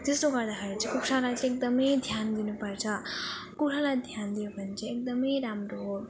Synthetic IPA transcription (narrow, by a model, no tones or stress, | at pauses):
t̪esɾoɡʌɾd̪akʰeɾit͡sĩkuksʰalajt͡sẽek̚d̪ʌmʌjd̪ʱjand̪inupʌɾt͡sʰʌkuʈʰalajd̪ʱjand̪ijobʱʌnt͡sʰĩek̚d̪ʌmʌjɾamɾoɦo